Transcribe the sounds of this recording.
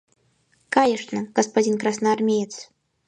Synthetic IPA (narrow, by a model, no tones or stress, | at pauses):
kajɛʂnɐɡ̥ɐspainkɾasnaːrmʲejɛt̪s